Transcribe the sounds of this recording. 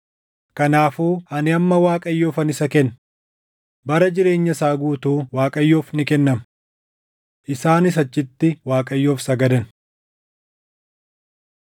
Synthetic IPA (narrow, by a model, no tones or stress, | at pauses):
kɐnaːfuːɐnɪɐmːɐwaːkʼɐjːo̞ːfɐnɪsɐkɛnː | bɐɾɐd͡ʒɪɾe̞ːɲːɐsaːɡuːt̪uːwaːkʼɐjːo̞ːfnɪkɛnːɐm | ʔɪsaːnɪs̬ɐt͡ʃːɪt̪ːɪwaːkʼɐjːo̞ːfsɐɡɐd̪ɐn